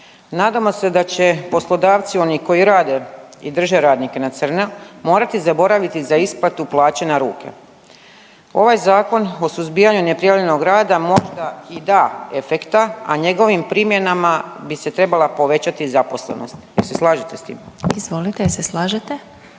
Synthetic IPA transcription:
naːd̪amo̞se̞d̪at͡ɕe̞po̞slˠo̞d̪aːʋt̪sio̞niko̞jiɾaːd̪e̞id̪r̩ʒe̞ɾaːd̪nike̞nat̪sər̩namo̞ːɾat̪izabo̞ɾaʋit̪izaisplat̪uplˠaːt͡ɕenaɾuːkʰḛ | o̞ʋajzaːko̞no̞suzbiːaɲune̞pɾijaʋʎe̞no̞ɡɾaːd̪amo̞ʒd̪aid̪aːe̞fe̞kt̪aa̰ɲe̞ɡo̞ʋimpɾiːmje̞namabise̞t̪ɾe̞balˠapo̞ʋe̞t͡ɕat̪izapo̞slḛno̞̰st̪jeɾse̞slˠaːʒit̪e̞st̪ḭːmizʋo̞lit̪eseslaːʒet̪e

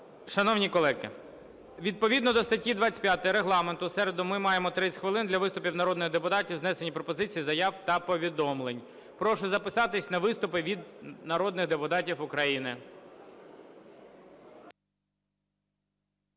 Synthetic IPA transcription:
ʃɐnɔwnʲikɔlˠɛkɪ̰ | ʋʲid̪̚pɔʋʲid̪nɔd̪ɔst̪ɐtʲid̪ʋat͡sʲpjat̪ɪɾeɦlˠɑment̪ʊsɛɾed̪ʊmɪmɑjemɔt̪ɾɪt͡sʲxʋɪlˠɪnd̪lʲɐʋɪst̪ʊpʲiwnɐɾɔd̪nɪɣd̪epʊt̪ɑtʲiwznɛsenʲipɾɔpɔzɪt͡sʲijizɐjɑwt̪ɐpɔʋʲid̪ɔmlˠenʲ | pɾɔʃɛzɐpɪsɑt̪ɪsʲnɐʋɪst̪ʊpɪʋʲid̪nɐɾɔd̪nɪɣd̪epʊt̪ɑtʲiwʊkɾɐjinɪ

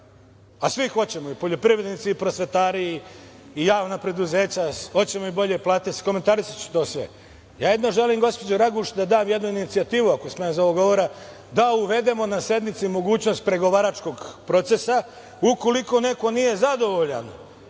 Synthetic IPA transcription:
asʋixo̞t͡ɕe̞moipo̞ʎo̞pɾiʋɾed̪nit̪siːpɾosʋe̞t̪aːɾiː | jaːʋnapɾe̞d̪uze̞ːt͡ɕao̞t͡ɕe̞moibo̞ʎe̞plˠaːt̪isi̥ko̞ment̪aɾisat͡ɕu̥t̪o̞ːsʋḛ | jaːjed̪noʒelimɡo̞spo̞d͡ʑoɾaɡuːʃd̪ad̪aːmje̞d̪nuinit̪siat̪iːʋuako̞smenzoʋoɡo̞ʋoɾa | d̪auʋe̞d̪e̞mo̞nasje̞d̪mit̪simo̞ɡuːt͡ɕno̞st̪̚pɾe̞ɡo̞ʋaːɾat͡ʃko̞ɡpɾo̞t̪se̞sa | uko̞liko̞ne̞ko̞nije̞zad̪o̞ʋo̞ʎa̰n

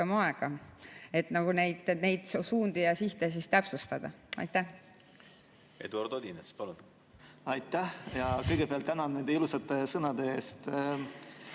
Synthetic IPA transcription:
emɑeɡ̥ɑe̞t̪nɑɡ̥une̞jd̪ne̞jd̪̥ssuːnd̪̥ijɑsiht̪es̬ist̪æpsust̪ɑd̪̥ɑ̰ | ɑ̰jt̪ːæh | e̞̰d̪uɑrd̪od̪ʲinespɑlun | ɑjt̪ːæhjɑkɤjɡ̥epeɑlt̪ænɑnnːend̪eilusɑt̪ːˑesɤnɑd̪̥eeːst̪

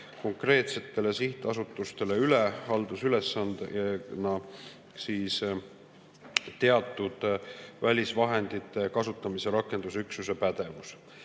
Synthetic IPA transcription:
ko̞ŋkre̞ːt̪se̞t̪ːˑe̞le̞siht̪ˑɑsut̪ːˑust̪e̞le̞yle̞hɑld̪usyle̞sːɑnd̪nɑ | siːs | t̪e̞ɑt̪ːˑud̪̥vælʲisvɑɦe̞nd̪̥it̪ːˑe̞kɑsut̪ːˑɑmise̞ɾɑkːˑe̞nd̪̥usyksuse̞pæd̪̥e̞vus

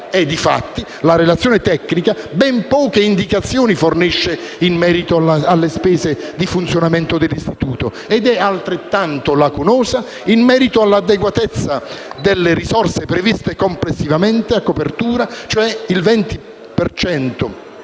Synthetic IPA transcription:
ɛd̪ːifa̰t̪ːi | laɾelat̪sːjoːnet̪ɛkːnikabɛmpɔːkeind̪ikat̪sːjoːniforniʃːeimmɛːɾit̪oaalːespɛːzed̪ifunt̪sjonament̪od̪ɪlːist̪it̪uːt̪o | ed̪ɛalt̪ɾet̪ːant̪olakunɔːza | imːɛːɾit̪oalːad̪ːeɡwat̪ɛt̪sːad̪elːeɾisɔrsepɾevist̪ekomplesːivamɛnt̪eakːopert̪uːɾat͡ʃoɛilvɛnt̪i | pert͡ʃɛnt̪o

